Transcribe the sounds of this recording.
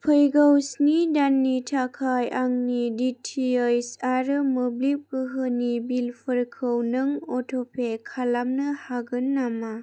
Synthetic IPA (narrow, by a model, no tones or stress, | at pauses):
pʰəjɡawsnidanːitʰakʰajaŋniditʰiajsaɾɯmublip̚kɯɦɯnibilpʰəɾkʰɯwnɯŋɔtʰopʰekʰalamnɯhaɡɯnːama